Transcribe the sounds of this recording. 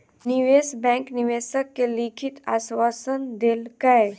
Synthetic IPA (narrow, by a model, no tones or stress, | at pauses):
nɪʋeːsbɛ̃ːŋknɪʋeːsəkːelikʰɪt̪a̰ːswaːsənd̪elkɐe